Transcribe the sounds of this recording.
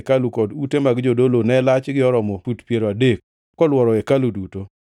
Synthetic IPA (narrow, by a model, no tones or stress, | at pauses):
kalukɔdutemaɡd͡ʒodolonɛlat͡ʃɡɪɔɾɔmɔutpjeɾoadek̚ | kɔlwɔɾɔɛkaluduto